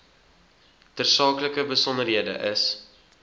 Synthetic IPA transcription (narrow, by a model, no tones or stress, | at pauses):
tərsɑːkləkəbəsɔndərɦiədə̰ʔəs